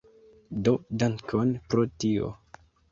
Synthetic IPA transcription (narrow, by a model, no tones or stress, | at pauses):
dodaŋkʰonpɾotio̰